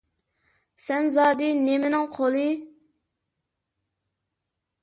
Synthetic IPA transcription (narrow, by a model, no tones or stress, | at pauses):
sɛnzɑːd̪inemɪnɨŋqʰolˠi